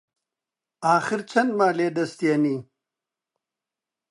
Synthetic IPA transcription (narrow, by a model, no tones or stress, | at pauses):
aːxɪɾt͡sʰɐndmaːleːd̪ɐst̪ijani